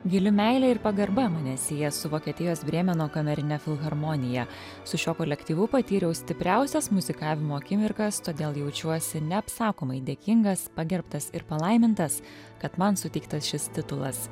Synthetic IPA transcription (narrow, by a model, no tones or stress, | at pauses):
ɡʲɪlʲɪmʲɛɪlʲɛɪɾpɐɡɐɾbɐmɐnʲɛsʲeːjɛsʊʋoːkʲiɛt̪ʲɪjoːsbʲɾʲiɛmʲɛnoːkɐmʲɛɾʲɪnʲɛfʲɪlˠɣɐɾmɔnʲɪjɛ | sʊʃʲoːkolʲɛkt̪ʲiːʋʊpɐt̪ʲiːɾʲɛʊsʲt̪ʲɪpʲɾʲæˑʊsʲɛsmʊzʲɪkɑːʋʲɪmuɐkʲɪmʲɪɾkɐst̪oːd̪ʲeːlˠjɛʊt͡ʃʲuɔsʲɪnʲɛɐpsɑːkoːmɐɪd̪ʲeːkʲɪŋɡɐspɐɡʲɛɾpt̪ɐsɪɾpɐlˠɐɪmʲɪnt̪ɐs | kɐt̪mɐnsʊt̪ʲɛɪk̚t̪ɐsʃʲɪst̪ʲɪt̪ʊlˠɐ̰s